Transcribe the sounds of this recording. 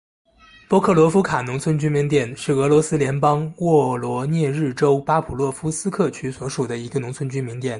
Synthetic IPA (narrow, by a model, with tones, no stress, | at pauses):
pɔ˥kʰɤ˥˩lwɔ˧˥fu˥kʰa˨˩nʊ˧˥ŋt͡sʰwə˥nt͡ɕy˥nmi˧˥ŋt̪jɛ˥˩nʂɻ̩˥˩ɤ˧˥lwɔ˧˥sɹ̩˥ljɛ˧˥npɑ˥ŋwɔ˥˩lwɔ˧˥njɛ˥˧ɻɻ̩˥˩ʈ͡ʂo˥ʊpa˥pʰu˨˩lwɔ˥˩fu˥sɹ̩˥kʰɤ˥˩t͡ɕʰy˥swɔ˧˥ʂu˨˩d̪ə˦i˧˥ɡə˧nʊ˧˥ŋt͡sʰwə˥nt͡ɕy˥nmi˧˥ŋt̪jɛ˥˩˦n